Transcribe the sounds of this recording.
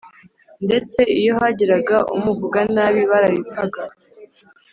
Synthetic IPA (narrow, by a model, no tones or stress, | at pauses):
nde̞t͡se̞ijoɦaɟiɾaɡaṵmuvuɡanaːβiβaɾaβipp͡faɡa